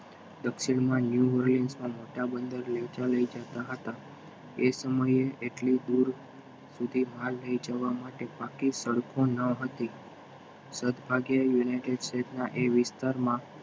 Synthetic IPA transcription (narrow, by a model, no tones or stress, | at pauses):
d̪əkʃiɳ̃mãnjuʋəɾlensmãmoʈabənd̪əɾled͡ʒaləid͡ʒat̪aɦət̪a | esəməjeʔeʈlid̪uɾ | sud̪ʱimalːəid͡ʒəʋamaʈebakisəɭkʰõnəɦət̪i | səd̪bʱaɡjəjunaiʈeɖsʈetnaʔeʋɪst̪aɾmã